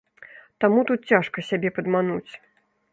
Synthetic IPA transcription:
t̪amut̪ut̪̚t͡sʲaʂkɐsʲabʲɛpɐd̪manut͡sʲ

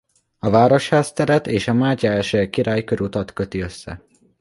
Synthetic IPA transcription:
ɒvaːɾo̞ʃhaːst̪ɛɾɛt̪eːʃɒmaːcaɛʃøkiɾaːjkøɾut̪ɒt̪kø̞t̪iø̞sːɛ̰

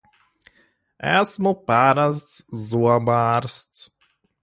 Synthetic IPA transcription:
ɛsmopaɾastzuabaɾst

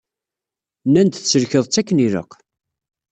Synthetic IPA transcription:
nːænt̪θt͡sːəɾçəðˤt͡sːækːniɾə̰qː

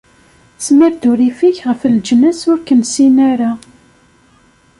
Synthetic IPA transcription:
smiɾd̪uɾifiçʁəfəld͡ʒnəsʊɾkənsinæɾa

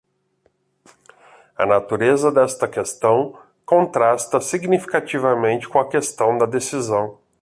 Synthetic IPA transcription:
ɐ̰nat̪uɾezɐd̪ɛst̪ɐkest̪ɐ̃w̃ | kõnt̪ɾast̪ɐsiɡnifi̥kat͡ʃivɐmẽnt͡ʃɪ̥kõɐkest̪ɐ̃w̃d̪ɐd̪esizɐ̃w̃

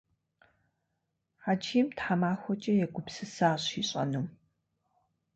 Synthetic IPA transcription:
ħad͡ʒimtħamaːxʷɔt͡ʃʼɐjɛɡʷʊpsɨsaːɕiːɕʼɐ̰num

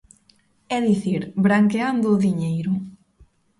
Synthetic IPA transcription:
ɛðiθiɾbɾaŋkeand̪ʊðiɲejɾʊ

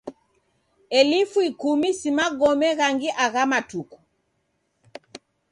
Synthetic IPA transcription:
ɛlifuikumisimaɡɔmɛɣaŋɡiʔaɣamatuku̥

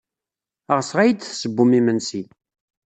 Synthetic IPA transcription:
əʁəsʁæjəd̪θsəbːumimənsi

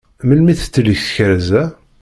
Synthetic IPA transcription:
məlmiθt͡sːələçθçəɾzæ

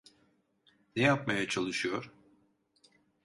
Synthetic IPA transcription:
nɛjap̚majat͡ʃʰalˠɯʃɯjo̞ɾ̥

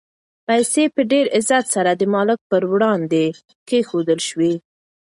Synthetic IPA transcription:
pajsepəɖeɾɪzat̪saɾad̪əmɑlɪk̚pəɾwɽɑnd̪e | kexod̪əlʃwi

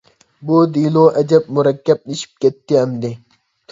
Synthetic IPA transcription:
boːd̪iːloːʔɐd͡ʑɐb̚mʊɾɐkːɐb̚niɕp̚kʲet̪ːiɐmd̪e

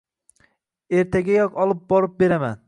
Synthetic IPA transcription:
eɾt̪ʰaɡʲajɒkɒlˠɨp̚bɒɾɨp̚be̞ɾama̰n

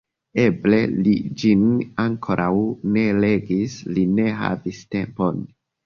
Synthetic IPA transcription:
e̞ble̞lid͡ʒinaŋkʰo̞ɾʔawne̞le̞ɡisline̞ɦa̰viste̞mpo̞n

